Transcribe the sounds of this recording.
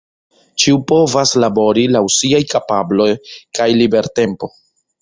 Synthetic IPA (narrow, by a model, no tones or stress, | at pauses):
t͡ʃiupo̞vaslabo̞ɾilausiajkapablo̞jkajlibe̞ɾte̞mpo̞